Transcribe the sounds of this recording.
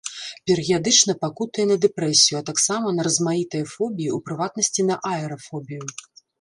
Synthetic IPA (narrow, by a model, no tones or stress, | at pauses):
pʲɛɾɨɣʲijad̪ɨt͡ʂn̪ɐpakut̪ɐjɛnɐd̪ɛpɾɛsʲijuɐt̪aksamɐnɐɾɐzmajit̪ɐjɐfɔbʲijiupɾɨvat̪̚nɐsʲt͡sʲinɐʔaɛɾɐfɔbʲiju